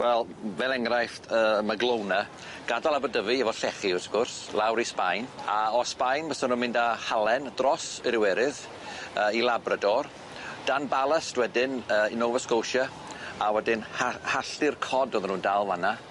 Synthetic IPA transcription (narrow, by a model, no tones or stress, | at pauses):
wɛlˠvɛlˠɛŋrajfəmaɡlˠownə | ɡ̥adalˠabədəvɨəvɔɬɛχiʊsɡʊrslˠawɾispajnaɔspajnbəsɔnunmɪ̃ndahalˠɛndrɔsəɾɪwɛɾɨð | əːilˠabrədɔr | d̥anbalˠəsd̥wɛdɪnəːinovəskowʃə | awɛdɪnhahaɬɪrkʰɔdɔðənuːndalˠvana